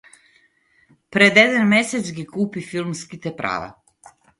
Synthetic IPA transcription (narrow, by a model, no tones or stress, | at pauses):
pɾed̪jed̪anmeset̪zɡikuːpifilˠmskit̪epɾʔa̰ːʋa̰